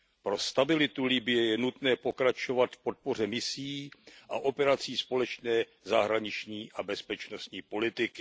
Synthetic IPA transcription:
pɾo̞st̪abɪlɪt̪ulɪbɪjɛjɛnut̪nɛːpo̞kɾat͡ʃo̞vat̪fpo̞t̪̚po̞r̝ɛmɪsiːʔaʔo̞pɛɾat͡siːspo̞lɛt͡ʃnɛː | zaɦɾaɲɪt͡ʃɲiːʔabɛspɛt͡ʃno̞st̪ɲiːpo̞lɪt̪ɪkɪ

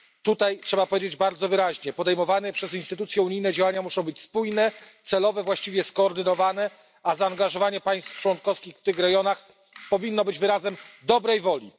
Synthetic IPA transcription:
t̪ut̪ajtʂɛbapɔvʲjed͡ʑed͡ʑbaɾd̪zɔvɘɾaʑɲɛpɔd̪ɛjmɔvanɛpʂɛzinst̪ɘt̪ut̪sjɛuɲijnɛd͡ʑawaɲamuʂɔ̃w̃bɘt͡ɕspujnɛt̪sɛlɔvɛvwaɕt͡ɕivʲjɛskɔːɾd̪ɘnɔvanɛ | azaːŋɡaʐɔvaɲɛpaj̃st̪ft͡ʂwɔnkɔfskʲixft̪ɘxɾɛɡjɔnax | pɔvʲinːɔbɘd͡ʑvɘɾazɛmd̪ɔbɾɛjvɔlʲḭ

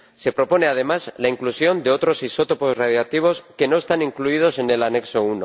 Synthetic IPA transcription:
se̞pɾo̞po̞ne̞að̞e̞mazlaiŋklusjo̞nd̪e̞o̞t̪ɾo̞siso̞t̪o̞po̞zraðjak̚t̪iβ̞o̞ske̞no̞e̞st̪aniŋkluið̞o̞se̞ne̞lane̞kso̞uno

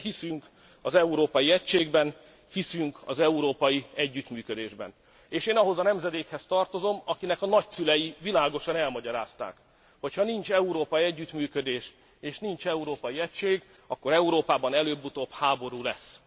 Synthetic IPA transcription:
hisyŋk | ɒzɛuɾoːpɒjiɛcʃeːɡbɛn | hisyŋkʰɒ̰zɛuɾoːpɒjiɛɟːyt̪myːkød̪eːʒbɛ̰n | eːʃeːnɒɦo̞zɒnɛmzɛd̪eːkhɛst̪ɒrt̪o̞zo̞mɒkinɛkɒnɒcsylɛjivilaːɡo̞ʃɒnɛlmɒɟɒɾa̰ːst̪a̰ːk | ho̞chɒnint͡ʃɛuɾoːpɒjiɛɟːyt̪myːkød̪eːʃ | eːʃnint͡ʃɛuɾoːpɒjiɛct͡ʃeːɡ | ɒkːo̞ɾɛuɾoːpaːbɒnɛløːbːut̪oːphaːbo̞ɾuːlɛsː

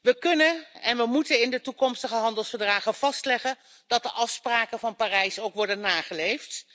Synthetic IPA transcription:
ʋəkɵnənɛnʋəmutənɪndətukɔmstəχəɦɑndəlˠsfəɹdraːχənv̥ɑstlɛχən | d̥ɑt̚dəʔɑfspraːkənvɑnpaːrɛjsowkʋɔɹdənːaːχəlejft

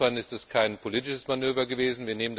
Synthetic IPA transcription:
anɪstɛskʰaɪnpʰoliːtɪʃəsmanøːvɐɡəveːzn̩viːɐneːmənd

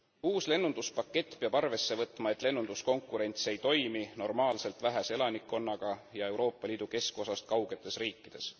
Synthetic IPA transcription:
uːsle̞nːund̪̥uspɑkːe̞t̪ːˑpeɑb̥ɑrve̞sːe̞vɤt̪ˑmɑe̞t̪ːˑle̞nːund̪̥usko̞ŋkːˑuɾe̞nʲt̪se̞jt̪o̞jmino̞rmɑːlse̞lt̪ˑvæɦese̞lɑnikːo̞nːɑɡ̥ɑjɑe̞wɾo̞ːpːɑliːd̪̥uke̞sko̞sɑst̪̚kɑwɡ̥e̞t̪ːˑe̞sriːkːˑid̪̥e̞s

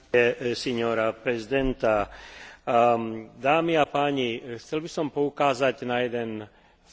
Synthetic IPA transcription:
ɛsɛɲɔɾapɾɛzid̪ɛnt̪a | d̪aːmiapaːɲixt͡sɛlbisɔmpɔukaːzaɟnajɛd̪ɛn

